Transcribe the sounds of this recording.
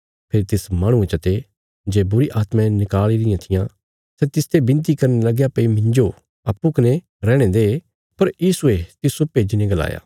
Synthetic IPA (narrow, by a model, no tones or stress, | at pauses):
pʰeːɾit̪ɪsmãːɽ̃ũẽt͡ʃɐt̪e | d͡ʒeːbʊɾiʔaːt̪mãnɪkaːliɾɪjãt̪ʰɪjã | sɛt̪ɪst̪ebɪ̃nt̪̬ikɐɾnelɐɡjapeimɪ̃ɲd͡ʒo | ɐpːukɐne | ɾɛːɽ̃ẽd̪eː | pɐɾjiːsuet̪ɪsopeːd͡ʒinẽɡɐla̰ːja̰ː